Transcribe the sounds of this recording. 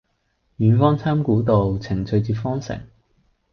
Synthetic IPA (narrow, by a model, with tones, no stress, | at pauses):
jyː˨˥nfɔː˥ŋt͡sʰaː˥mkuː˨˥t̪o˨wt͡sʰɪ˨˩ŋt͡sʰɵ˨˧ɥt͡siː˧pfɔː˥ŋsɪ̰˨˩ŋ